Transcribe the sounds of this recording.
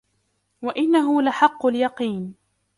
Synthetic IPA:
waʔɪnːaɦʊlaħɑqːʊljɑqiːn

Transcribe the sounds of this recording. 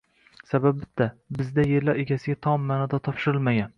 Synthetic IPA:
sabab̚bɪt̪ʰːabɪzd̪aje̞ɾlaɾe̞ɡʲasɪɡʲat̪ʰɒmːaːnɒd̪at̪ʰɒpʃɪɾɪlˠmaɡʲan

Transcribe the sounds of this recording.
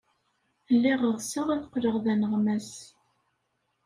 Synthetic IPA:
lːɪʁəʁsəʁæθqːləʁðænəʁmæs

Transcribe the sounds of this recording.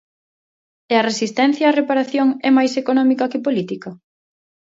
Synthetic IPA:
ɛɐresist̪ɛn̟θjaːrepaɾaθjoŋɛmajsekonɔmikɐkɪpolit̪ikɐ

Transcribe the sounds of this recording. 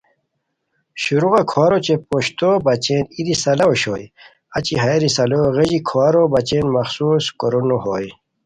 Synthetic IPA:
ɕuɾuɣakʰoaːɾot͡ɕepoɕt̪oːbɐt͡ɕeːnid̪isɐlaoɕoːj | ɐt͡ɕiɦaeɾisɐloɣeʑikʰoaɾobɐt͡ɕeːnmɐxsuːskoɾonoɦoːj

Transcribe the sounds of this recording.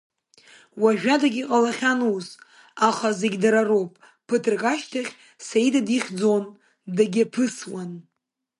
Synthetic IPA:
waʒᶣadaɡʲiqʼalaχʲanuz | aχazeɡʲdaɾarowpʼ | pʰɨtʰɨrqʼaʃtʰaχʲ | saidadiχʲd͡zon | daɡʲapʰɨswan

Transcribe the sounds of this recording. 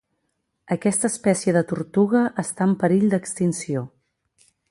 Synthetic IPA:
əkɛst̪əːspɛsiəðət̪uɾt̪uɣ̞əʔəst̪aəmpəɾiʎd̪əkst̪insio

